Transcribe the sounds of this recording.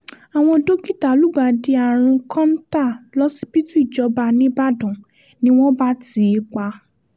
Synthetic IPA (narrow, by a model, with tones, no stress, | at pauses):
a˨w̃ɔ̃˧do˦ki˦˨ta˨lu˨˦˨ɡ͡ba˧di˧a˨ɾ̃ũ˧kʰɔ̃˦n˦ta˦˨lɔ˦si˦bi˦tu˦i˦˨d͡ʒɔ˧ba˧nĩ˦ba˦˨dɔ̃˨ | nĩ˦w̃ɔ̃˦ba˦ti˨˦˧k͡pa˧